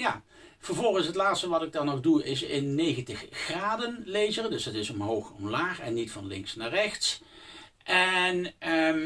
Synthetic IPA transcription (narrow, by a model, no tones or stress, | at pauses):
ja | v̥əɹvɔlˠɣənsɦətlaːtstəʋɑtɪɡ̚dɑnːɔχduɪsɪnːejɣəntəχːraːdənlejzərdɵsətɪsɔmɦowχɔ̰mlaːχɛ̰nːitfɑnlɪ̰ŋksnaːrɛxts | ʔɛn